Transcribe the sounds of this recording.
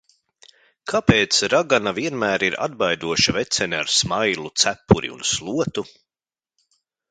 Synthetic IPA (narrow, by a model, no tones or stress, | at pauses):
kʰapeːt̪sɾaɡanaviɛnmæːɾiɾa̰d̪bajd̪uɔʃavɛt̪sɛnʲaɾsmajlˠut̪sæpːuɾḭṵnslˠuɔt̪u